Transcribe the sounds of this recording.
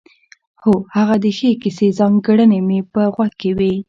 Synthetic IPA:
hohaɣad̪əxekisezɑŋɡəɽənemepəɣwaɡ̚kːewi

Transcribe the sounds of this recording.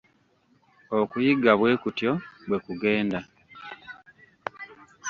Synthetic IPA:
okujiɡaβwe̞ːkutjo̞βwe̞kuɡe̞ːnda

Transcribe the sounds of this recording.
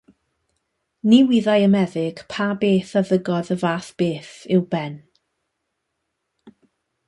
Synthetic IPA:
niwiðajəmɛðɪɡ̥pʰabeːθaðəɡɔðəvaːθb̥eːθɪwbɛn

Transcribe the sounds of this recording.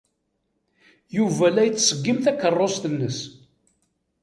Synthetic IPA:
juvælːæjət͡sːsəɡːimθækːərˤːosθənːəs

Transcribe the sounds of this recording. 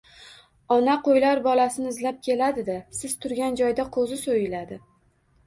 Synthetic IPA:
ɒnaqʰojlaɾbɒlasɪnɪɪzlap̚kʲʰe̞lad̪ɪd̪asɪz̥t̪ʰʊɾɡʲand͡ʒɒjd̪aqʰozɪsojɪlad̪ɪ

